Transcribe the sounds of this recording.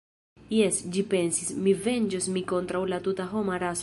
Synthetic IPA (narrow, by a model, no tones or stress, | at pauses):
jesd͡ʒipensismivend͡ʒosmikont̪ɾawlat̪ut̪aɦomaɾas